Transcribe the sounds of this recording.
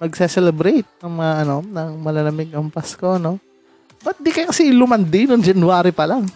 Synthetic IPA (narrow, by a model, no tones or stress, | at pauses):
mɐɡ̚sɛsɛlɛbɾejt̪̚ɐŋmɐŋaʔɐno̞nɐŋmɐlɐlɐmɪɡɐmpɐskono̞ | b̥ɐt̪̚d̪ikɐjakɐsilʊmɐnd̪ɪnʊŋd͡ʒɐnwaːɾɪpɐlaŋ